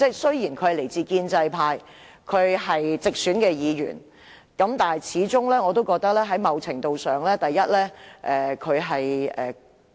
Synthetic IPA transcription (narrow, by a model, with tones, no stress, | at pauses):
t͡sɛ˥˩sɵ˥ɥjiː˨˩nkʰɵ˨˧ɥhjle˨˩jt͡siː˧kiː˧nt͡sɐ˧jpʰaː˧j | kʰɵ˨˧ɥɦɐ˨jt͡sɪ˨k̚syː˨˥nkɛː˧jiː˨˧jy̰ː˨˩n | kɐ˨˥mt̪aː˨n˨˩t͡sʰiː˨˥t͡sʊ˥ŋlɛː˥ŋɔː˨˧t̪̬o˥wkɔː˧k̚t̪ɐ˥k̚lɛː˥ɦɐ˨˥jmɐ˨˧wt͡sʰɪ˨˩ŋt̪o˨˧wsœː˨ŋlɛː˥t̪ɐ˨jːɐ˥t̚lɛː˥ʔɛː˨˩kʰɵ˨˧ɥɦɐ˨jɛː˨